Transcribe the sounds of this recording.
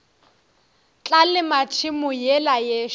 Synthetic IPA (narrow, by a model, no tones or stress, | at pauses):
t͡ɬʼalɪmat͡ʃʰɪmʊjɛlajɛ